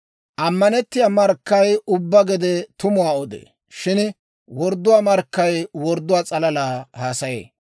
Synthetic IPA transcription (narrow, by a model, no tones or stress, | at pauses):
ʔɐmːɐnɛt̪ːɪjamɐɾkːɐjʊbːɐɡɛd̪ɛt̪ʊmʊwaːɔd̪ḛː | ʃɪn | wɔɾd̪ːʊwaːmɐɾkːɐjwɔɾd̪ːʊwaːt͡sʼɐlɐlaːhaːsɐjḛː